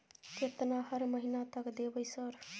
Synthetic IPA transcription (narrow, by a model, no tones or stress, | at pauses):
t͡ʃet̪nahʌɾməɦinat̪ʌkd̪ebʌjsʌɾ